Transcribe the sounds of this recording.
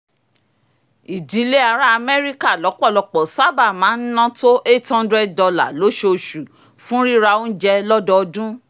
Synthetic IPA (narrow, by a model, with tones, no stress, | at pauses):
i˨di˨˦le˦a˧ɾa˦a˧mɛ˦ɾi˦ka˦˨lɔ˨˦k͡pɔ˦˨lɔ˧k͡pɔ˨sa˦ba˦˨mãː˨˦n̩˦nã˦to˦ʔe˦thã˦ndɾɛ˦˨d̚dɔ˧la˨lo˨˦ʃo˧˨ʃu˨ | fũ˦ɾi˦ɾa˧o˦n̩˦d͡ʒɛ˧lɔ˦dɔ˧˦ɔ˧dũ˦